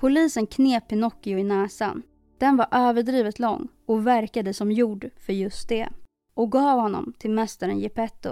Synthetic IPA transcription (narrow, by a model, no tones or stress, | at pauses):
pʰʊliːsənkʰneːpɪnɔkːɪʊɪnɛːsa̰n | d̪̥ɛnvaɾʔøːvəɖɾiːvət̪lɔ̰ŋː | ɔvæɾkad̪əsɔmjuːɖfœɾjɵst̪̚d̪ɛ̰ | ʔɔk̚ɡɑːvhɔnːɔ̰mt̪ʰɪlmɛst̪aɾə̰njɪpɛt̪ːʊ̰